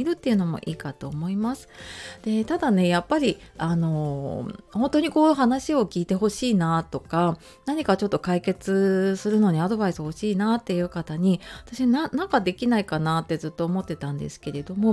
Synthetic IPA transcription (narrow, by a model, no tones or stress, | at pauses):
iɾɯ̟t̪ːe̞iɯ̟no̞mo̞̰ʔiːkat̪o̞ːmo̞imasɨ̥d̪̥e̞t̪ad̪ane̞japːaɾʲiano̞ | hõ̞nt̪o̞ɲ̟iko̞ːnɦanaɕio̞kʲiːt̪e̞ɦo̞ɕiːnat̪o̞ka | naɲ̟ikat͡ɕo̞t̪ːo̞kaike̞t͡sɨsɨɾɯ̟no̞ɲ̟iad̪o̞baisɨho̞ɕiːnat̪ːe̞jɯ̟ːkat̪aɲ̟iat̪aɕinanãŋkad̪e̞kʲinaikanat̪ːe̞zɨt̪ːo̞ːmo̞t̪ːe̞t̪ãnd̪e̞̰sɨ̥ke̞ɾe̞d̪o̞mo̞